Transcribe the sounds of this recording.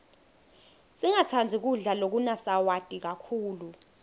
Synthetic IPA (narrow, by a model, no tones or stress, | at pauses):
siŋatʰand͡zʱik̬uɮalok̬unasawad̥ʼʱik̬akʰuːlu